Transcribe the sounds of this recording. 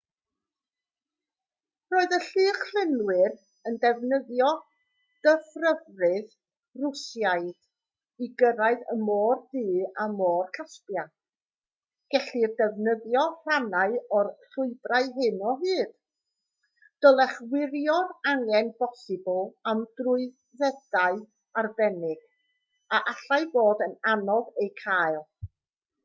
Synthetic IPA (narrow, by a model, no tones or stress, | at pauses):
roːɨðəɬɨːχl̥ɪnwɪr | əndɛvnəðjɔ | d̥əfrəvrɨð | rʊsjaɨd̥ | iɡəɾaɨðəmoːrdɨːamoːrkʰaspja | ɡ̥ɛɬirdɛvnəðjɔr̥anaɨɔrrʊɨbraɨɦɨnɔɦɨːd̥ | d̥ɔlˠɛχwɪɾjɔraŋɛnb̥ɔsɪblˠamd̥rʊɨ | ðɛdaɨ | arbɛnɪɡ̥ | aʔaɬaɨboːdənanɔvejkʰajlˠ